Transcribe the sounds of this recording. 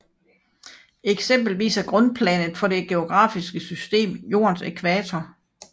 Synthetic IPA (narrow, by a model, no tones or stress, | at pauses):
eɡ̥sem̰b̥l̩ʋḭːsæɡ̥ʁɔ̽npʰlɛ̰nð̩ˠfɒ̽ɾe̝ɡ̥e̝o̝ɡ̥ʁɑ̰̈ːfisɡ̥əsysd̥e̝̰ːmjo̝̰ːɐnse̝kʰʋæːt͡sʰɒ